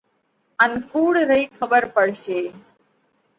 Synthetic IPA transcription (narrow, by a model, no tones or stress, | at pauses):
ɐnkuːɽɾəjkʰɐbəɾpəɽʃeː